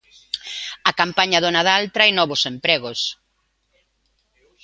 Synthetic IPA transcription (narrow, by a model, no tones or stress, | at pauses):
ɐkampaɲɐðʊnaðalt̪ɾajnɔβʊsempɾɛɣʊs